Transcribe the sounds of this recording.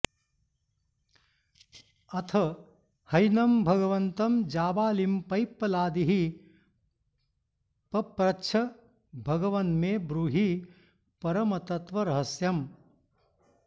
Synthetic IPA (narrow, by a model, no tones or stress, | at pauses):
ɐt̪ʰɐ | hɐjnɐmbʱɐɡɐʋɐnt̪ɐmd͡ʒaːʋaːlimpɐjpːɐlaːd̪iɦi | pɐpɾɐt͡ʃʰɐ | bʱɐɡɐʋɐnmeːbɾuːɦi | pɐɾɐmɐt̪ɐt̪ʋɐɾɐɦɐsjɐm